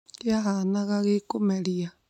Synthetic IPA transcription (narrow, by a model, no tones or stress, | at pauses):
jaɦanaɣaɣekomɛɺia